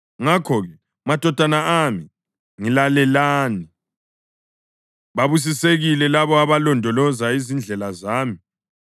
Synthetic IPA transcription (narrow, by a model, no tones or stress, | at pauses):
ŋakʰɔɣɛ | mad̥ʱɔd̥ʱanaami | ŋilalɛlaːni | βaβus̬iseɣilɛlaβɔaβalɔndʱɔlɔzaizind͡ɮʱɛlazaːmi